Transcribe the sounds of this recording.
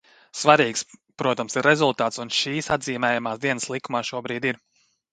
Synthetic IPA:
svaɾiːkspɾuɔt̪amsiɾːezulˠt̪aːt̪sunʃiːsa̰d̪ziːmɛːjamaːsd̪iɛnəslˠikumaːʃuɔbɾiːd̪iɾ

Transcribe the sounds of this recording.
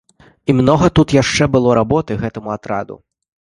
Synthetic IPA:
imnɔɣɐt̪ut̪jaʂt͡ʂɛbɨlˠɔɾabɔt̪ɨɣɛt̪ɐmuat̪ɾa̰d̪ṵ

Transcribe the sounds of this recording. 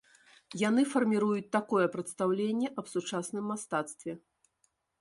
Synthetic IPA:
janɨfɐrmʲiɾujut͡s̚ʲt̪akɔjɛpɾɛt̪st̪awlʲenʲːɛʔɐbsut͡ʂasnɨmːast̪at̪st̪vʲɛ

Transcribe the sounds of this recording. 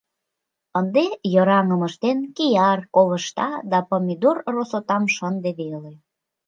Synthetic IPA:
ənd̪ejəɾɑŋəməʃt̪enkijɑrkoβəʃt̪ɑd̪ɑpomʲid̪urrosot̪ɑmʃənd̪eβele

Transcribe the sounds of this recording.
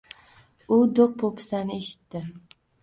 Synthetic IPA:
ʊd̪oq̚pʰopʰɪ̥sanɪeʃɪ̥t̪ːɪ

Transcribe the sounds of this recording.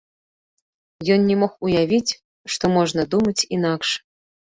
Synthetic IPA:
jɔnnʲɛmɔxujavʲit͡sʲ | ʂt̪ɔmɔʐnɐd̪umɐt͡sʲinakʂ

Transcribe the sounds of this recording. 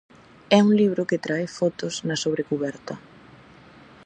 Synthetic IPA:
ɛuŋliβɾʊkɪt̪ɾaefɔt̪ʊsnɐsoβɾekuβɛɾt̪ɐ

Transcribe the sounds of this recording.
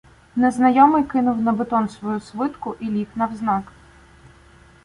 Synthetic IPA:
nɛznɐjɔmɪjkɪnʊwnɐbet̪ɔnsʋɔjusʋɪt̪kʊʔilʲiknɐwznɑk

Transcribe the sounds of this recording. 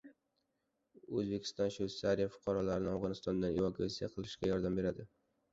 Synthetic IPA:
ɵzbe̞kʲʰɪ̥st̪ɒnʃut̪saɾijafʊ̥qʰɑɾɒlaɾɪnɪavʁɒnɪst̪ɒnd̪anevakʰuasijaqʰɨlˠɪʃɡʲajɒɾd̪ambe̞ɾad̪ɪ

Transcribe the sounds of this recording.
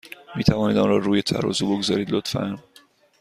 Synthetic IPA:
miːt̪ʰævɒːniːd̪ɒːnrɒːɾuːjet̪ʰæ̰ɾɒ̰ːzuːbo̞ɡzɒːɾiːd̪lot̪fæn

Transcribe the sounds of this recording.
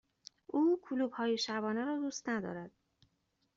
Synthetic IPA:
ʔuːkʰuluːbhɒːjeʃæbɒːneɾɒːd̪uːst̪næd̪ɒ̰ːɾæd̪̥̚

